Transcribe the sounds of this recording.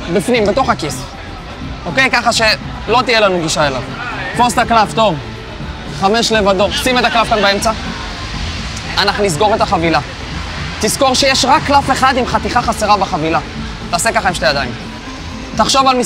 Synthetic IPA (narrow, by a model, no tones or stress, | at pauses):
bifnimbe̞t̪o̞χakis | oke̞jkaχaʃe̞ | lo̞t̪ijelanuɡiʃae̞lavfostaklavt̪o̞v | χame̞ʃle̞vad̪o̞posimet̪aklavkanbaemt͡sa | anaχnunisɡo̞ʁet̪aχavila | t̪isko̞ʁʃe̞jeʃʁakːlafeχad̪imχat̪iχaχaseʁabeχavila | t̪aːse̞kaχaimʃtejad̪aim | t̪aχʃo̞valmi